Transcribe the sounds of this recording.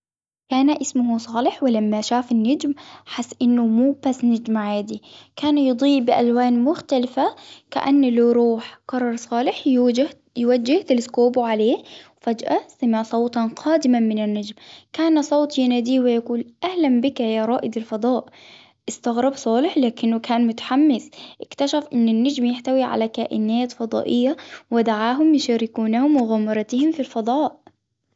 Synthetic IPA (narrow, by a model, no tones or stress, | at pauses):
kaːnaʔɪsmʊɦusˤɑːlɪħwɪlamːaʃaːfɪnːad͡ʒmħasːʔɪnːʊmuːb̥asnad͡ʒmaʕjad̪ikaːnjɨd̪ˤiːbɪʔa̰lwaːnmʊxt̪alɪfaka̰ʔanːlawɾuːħkɑrˤːɑɾˤsˤɑːlɪħ | jwad͡ʒːɪht̪ɪlɪskoːbuʕaleːhwfad͡ʒʔasamɪʕsˤɑwt̪ˤɑnqʰɑːd̪ɪmamɪnanːad͡ʒmkaːnsˤoːt̪ˤjɪnaːd̪iːwɪjakuːlʔahlambɪkajaɾˤɑːʔɪd̪alfɑd̪ˤɑːʔ | ʔɪst̪aɣɾɑbsˤɑːlɪħlaːkɪnːʊkʰaːnmʊt̪ḁħamːɪsʔɪkt̪aʃafʔɪnːɪnːad͡ʒmjɪħt̪awiʕa̰lakaːʔɪnaːt̪fɑd̪ˤɑ̰ːʔɪjːawɪd̪aʕaːɦʊmjɪʃaːɾɪkuːnahʊmwɪɣamɑɾˤɑt̪ɪhɪmfilfɑd̪ˤɑːʔ